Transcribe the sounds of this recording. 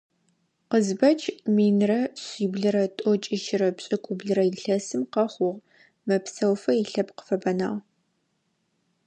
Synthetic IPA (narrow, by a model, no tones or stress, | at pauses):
qəzbɐt͡ʃʰʼmiːnrɐɕʷiːbɮɨɾɐtʼɔt͡ʃʼɪʃɪɾɐpɕʼɪkʷʼʊbɮɨɾɐjɪɬɐsɨmqɐχʷʊʁ | mɐpsɐwfɐjɪɬɐpqə̥fɐbɐna̰ːʁ